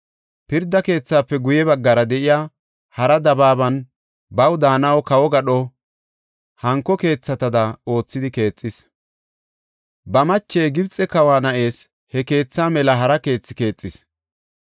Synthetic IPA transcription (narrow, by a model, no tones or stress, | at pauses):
pɪɾd̪ːɐke̞ːt͡sːaːpːɛɡʊjɛbɐɡːɐɾɐd̪ɛʔɪjaː | hɐɾɐd̪ɐbaːbɐn | bɐwd̪aːnɐwɔkɐwɔɡɐɗɔ | hɐŋkːɔke̞ːt͡sːɐt̪ɐd̪ɐo̞ːt͡sːɪd̪ɪke̞ːt͡sʼːɪs | bɐmɐt͡ʃːejɡɪbt͡sʼɛkɐwaːnɐʔe̞ːs | hɛke̞ːt͡sːaːmɛlɐɦɐɾɐke̞ːt͡sːɪke̞ːt͡sʼːɪs